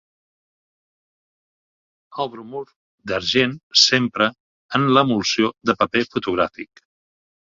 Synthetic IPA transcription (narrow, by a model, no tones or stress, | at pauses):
əlˠβɾumuɾ | d̪əɾʒensempɾə | ənləmulˠsioðəpəpefut̪uɣ̞ɾafik